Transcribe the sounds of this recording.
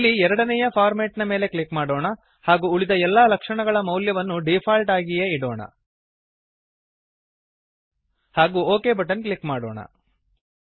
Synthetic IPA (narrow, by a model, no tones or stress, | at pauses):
ilːiɛɾɐɽɐnɛjɐpʰaːɾmeːʈnɐme̞ːle̞kɭikmaːɽoːɳɐ | haːɡuːɭid̪ɐɛlːaːlɐkʂɐɳɐɡɐɭɐmɐwljɐʋɐnːuɖipʰaːlʈaːɡijeiɽoːɳɐ̰ | haːɡuːoːke̞ːbɐʈɐnkɭikmaːɽo̰ːɳɐ̰